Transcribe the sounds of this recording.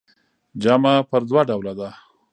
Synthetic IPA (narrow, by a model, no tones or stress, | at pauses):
d͡ʒamapəɾd̪waɖawlad̪a